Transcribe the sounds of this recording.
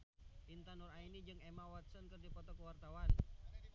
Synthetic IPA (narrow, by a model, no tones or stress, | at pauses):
int̪anɔrainid͡ʒɨŋemawat̪̚sənkɨrdipɔt̪ɔkəwart̪awan